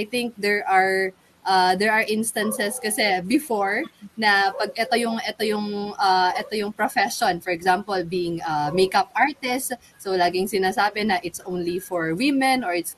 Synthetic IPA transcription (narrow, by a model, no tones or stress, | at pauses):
ajθɪŋk̚d̪ɛɹʔɐɹ | ʔɐd̪ɛɹɐɹʔɪ̃nst̪ɐnsɛskɐsɛbɪfoɹnɐpɐɡ̚ʔɛt̪o̞jʊŋʔɛt̪ojʊŋɐʔɛt̪ojʊŋpɹofɛʃonfɔɹɛɡzampolbiːʔɪŋʔɐmejkɐp̚ʔaɹt̪ɪst | sowlaːɡɪŋsɪnaːsaːbɛnɐʔɪt̪sʔõwnlifoɹwɪmɛ̃nɔɹɪt̪s